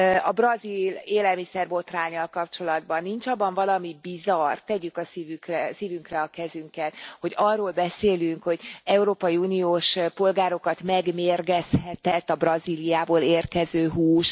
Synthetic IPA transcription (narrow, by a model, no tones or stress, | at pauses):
ɒbrɒzileːlɛlmisɛrbo̞t̪raːɲːɒlkɒpt͡ʃo̞lɒd̪bɒnːint͡ʃɒbːɒɱvɒlɒmibizɒrt̪ːɛɟykɒsivykrɛsiːvyŋkrɛɒkɛzyŋkɛt̪ho̞ɟɒrːoːlbɛseːlyŋkho̞ɟɛuɾoːpɒjiuːnijoːʃpo̞lɡaːɾo̞kɒt̪mɛɡmeːrɡɛshɛt̪ɛt̪ːɒbrɒzilijaːboːleːrkɛzøːɦuːʃ